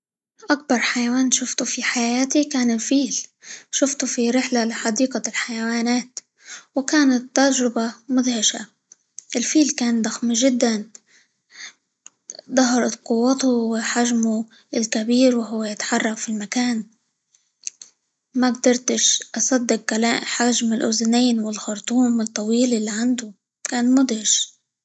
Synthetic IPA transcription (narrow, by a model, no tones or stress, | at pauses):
ʔak̚bɑɾˤħajawaːnʃʊft̪ufiħajaːt̪ikaːnɪlfiːlʃʊft̪ufiɾɪħlalɪħɑd̪iːqalħajawaːnaːt̪ | wɪkaːnat̪ːaɾd͡ʒɾɪbamʊðhɪʃa̰ | ʔɪlfiːlkaːnd̪ˤaxmʒɪd̪ːan | d̪ˤɑɦɑɾˤɑt̪qʊwːɑt̪ʊwɪħaʒmu | ɪlkabiːɾwɪɦʊwːajɪt̪ħɑrˤːɑqfilmakaːn | maɡd̪ɑɾˤt̪ɪʃʔɑsˤɑd̪ːɪq̚kala̰ːʔħaʒmɪlʔʊ̰zneːnwɪlxʊɾˤt̪ˤuːmɨt̪ˤːɑwiːlɪlːiʕand̪ʊ | kaːnmʊd̪hɪʃ